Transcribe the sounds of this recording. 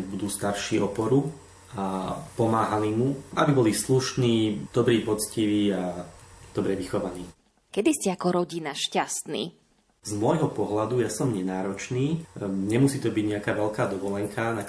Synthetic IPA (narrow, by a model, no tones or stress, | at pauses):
bud̪uːst̪aɾʃiːɔpɔɾu | apɔmaːɦalimuabibɔlisluʃniːd̪̥ɔbɾiːpɔt͡sciʋiːad̪ɔbɾɛʋixɔʋaniː | kɛd̪iscɛakɔɾɔɟinaʃcast̪nḭː | zmɔjɦɔpɔɦlad̪ujasɔmɲɛnaːɾɔt͡ʃniːɲɛmusiːt̪ɔbiɟɲɛakaːʋɛlkaːd̪ɔʋɔlɛŋkʰana